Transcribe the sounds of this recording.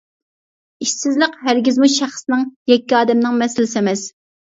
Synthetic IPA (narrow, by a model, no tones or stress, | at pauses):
iʃsɪzləqɦæɾɡʲizmuʃæχsnɨŋjɛkʲːiɑːd̪ɛmnɪŋmɛsɪlɪsɛmɛs